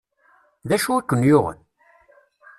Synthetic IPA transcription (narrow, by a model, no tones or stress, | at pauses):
ðæʃuækʷːənːjʊʁə̰n